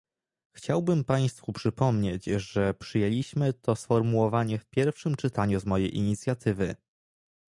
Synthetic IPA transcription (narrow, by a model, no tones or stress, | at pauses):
xt͡ɕawbɘmpaj̃st̪fupʂɘpɔmɲed͡ʑʐɛpʂɘjelʲiɕmɘt̪ʰɔsfɔɾmuwɔvaɲɛfpʲjɛɾfʂɘmt͡ʂɘt̪aɲuzmɔjejʔḭɲit̪sʲjat̪ʰɘvɘ